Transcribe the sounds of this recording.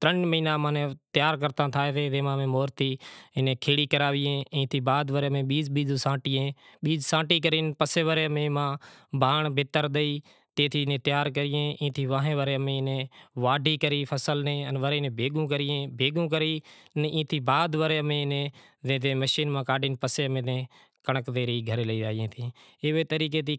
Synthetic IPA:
t̪ɾəɳmiːnãːmãːnẽːt̪jaːɾkəɾt̪ãːt̪ʰaːeːʋeːʋẽːmãːmẽːmoːɾt̪iːɪnẽːkʰeːɽiːkəɾaːʋiːẽːĩːt̪ʰiːbaːd̪ʋəɾeːmẽːɓiːd͡ʒɓiːd͡ʒũːsãːʈiːẽːɓiːd͡ʒsãːʈiːk̬əɾiːnpəseːʋəɾeːmẽːmãːbʱaːɳbʱɪt̪əɾɗ̪əiː | t̪ẽːt̪ʰiːnẽːt̪ɪjaːɾkəɾɪjẽːʔĩːt̪ʰiːʋãːɦẽːʋəɾeːmẽːnẽːʋaːɖʱiːkəɾiːpʰəsəlnẽːənʋəɾeːnẽːbʱeːɡũːk̬əɾɪjẽːbʱeːɡũːk̬əɾiːnĩːt̪ʰiːbaːd̪ʋəɾeːmẽːnẽː | zẽːd̪ẽːməʃiːnmãːkaːɖɪːnpəseːmẽːnẽː | kəɳəkd̪eːɾiːɡʱəɾeːləiːʋaːɪjẽːt̪ʰi | ɪʋeːt̪əɾiːk̬eːt̪iː

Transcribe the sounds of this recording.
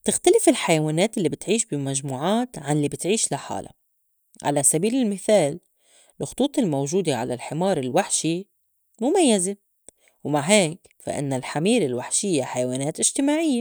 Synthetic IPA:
t̪ɪxt̪alɪfɪlħajawaːneːt̪ʔɪlːibɪt̪ʕiːʃbɪmaʒmuːʕaːt̪ʕanlibɪt̪ʕiːʃlaħa̰ːla̰ | ʕa̰lasabiːlɪlmɪθaːl | ɪlxʊ̥t̪ˤuːt̪ˤɪlmowʒuːd̪eʕa̰lalħɪmɑːɾˤɪlwaħʃi | mʊmajːaze | wmaʕɦeːk | fa̰ʔɪ̰nːalħamiːɾɪlwaħʃɪjːaħajawaːneːt̪ʔɪʒ̥t̪ɪmaːʕɪjːa

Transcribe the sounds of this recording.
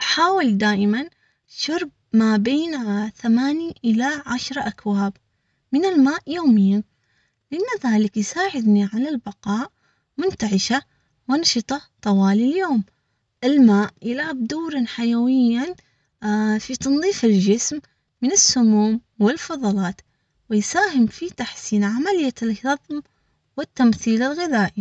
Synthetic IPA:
ʔaħaːwɪld̪aːʔɪman | ʃʊɾˤb̚mabeːnθamaːniʔɪlaʕaʃɾˤʔakwaːb | mɪnɪlmaːʔjoːmɪjːan | lʔanːaðaːlɪkjsaːʕɪd̪niʕalalbɑqɑːʔ | mʊnt̪aʕɪʃa | wɑnʃɨt̪ˤɑt̪ˤɑwɑːliljoːm | ʔɪlmaːʔjɪlhab̚d̪uːɾɑnħajawɪjːan | fit̪ɑnðˤiːfɪld͡ʒɪsmː | ɪnɪsːʊmuːmwɪlfɑðˤɑlɑːt̪ | wɪjsaːɦɪmfit̪aħsiːnʕamalɪjːalhɑðˤm | wɪt̪ːamθiːlɪlɣɪðaːʔi

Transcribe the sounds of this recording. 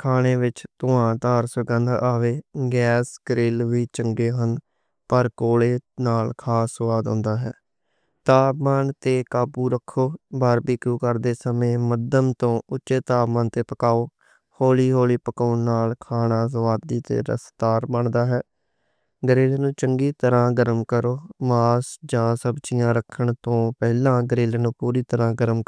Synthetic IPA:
kʰaːɳeːʋɪt͡ʃt̪ʊãːt̪aːɾsʋɪɡənd̪aːʋeːɡɛːsɡəɾɪlʋiːt͡ʃəŋɡeːɦən | pəɾkoːleːnaːlkʰaːsəʋaːd̪õ̰ːnd̪aːɦɛ̰ː | t̪aːbmaːnt̪eːkaːbuːɾəkʰːoːbəɾbiːkuːkəɾd̪eːsəmẽːməd̪əmt̪õːʊtːʃeːt̪aːmaːnt̪eːpəkaːoː | hoːliːɦoːliːpəkaːʊnnaːlkʰaːɳaːzəʋaːd̪iːt̪ḛːɾə̰st̪aːɾbəɳd̪aːɦɛː | ɡəɾeːleːnũːt͡ʃəŋɡiːt̪əɾãːɡəɾəmkəɾoːmaːsd͡ʒãːsəbt͡ʃɪjãːɾəkʰːəɳt̪õːpɛːlãːɡəɾeːleːnũːpuːɾiːt̪əɾãːɡəɾəm

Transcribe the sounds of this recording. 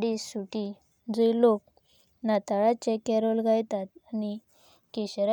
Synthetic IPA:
ɽisːuʈi | d͡zoilok | nat̪aɭat͡ɕekɛɾɔlɡʱajt̪at̪ani | keɕɾ

